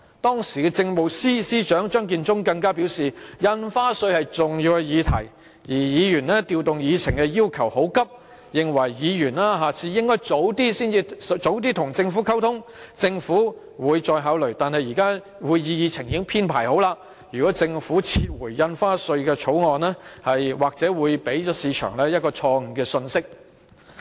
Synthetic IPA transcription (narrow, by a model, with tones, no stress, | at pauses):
t̪ɔː˥ŋsiː˨˩kɛ˧t͡sɪ˧ŋmo˨wsiː˥siː˥t͡ʃœː˨˥ŋt͡ʃœː˥ŋk̬iː˧nt͡sʊ˥ŋkɐ˧ŋkaː˥piː˨˥wsiː˨jɐ˧nfaː˥sɵ˧ɥhɐ˨jt͡sʊ˨ŋjiː˧wkɛ˧jiː˨˧t̪ʰɐ̰˨˩j | jiː˨˩jiː˨˧jyː˨˩nlɛː˥t̪iː˨˧wt̪ʊ˨ŋjiː˨˧t͡sʰɪ˨˩ŋkɛ˧jiː˥wkʰɐ˨˩who˨˥wkɐ˥p̚ | jɪ˨ŋwɐ˨˩jːiː˨˧jyː˨˩nlaː˥ɦaː˨t͡sʰiː˧jɪ˥ŋkɔː˥jt͡so˨˥wt̪iː˥siː˥˩niː˧˨t͡so˨˥wt̪iː˥t̪ʰʊ˨˩ŋt͡sɪ˧ŋfuː˨˥kʰɐ˥wt̪ʰʊ˥ŋt͡sɪ˧ŋfuː˨˥ | wuː˨˧jt͡sɔː˧jɦaː˨˥wlɵ˨˩ɥt̪aː˨˧nhɐ˨jiː˨˩kaː˥ | wuː˨˧jjiː˨˧jiː˨˧t͡sʰɪ˨˩ŋji˧˦˥ŋpʰiː˥npʰaː˨˩jho˨˥wlaː˧ | jyː˨˩kɔː˨˥t͡sɪ˧ŋfuː˨˥t͡sʰiː˧t̚wu˨˩jːɐ˧nfaː˥sɵ˧ɥkɛː˧t͡ʃʰo˨˥wŋɔː˨˧nlɛː˥hɐ˨jwaː˨k̚t͡sɛː˨˥wuː˨˧jpe˨˥jt͡sɔː˨˥siː˨˧t͡ʃʰœ̰ː˨˩ŋlɛː˥jɐ˥t̚kɔː˧t͡ʃʰɔː˧ŋ̩˨˩kɛː˧sɵ˧nsɪ˥k̚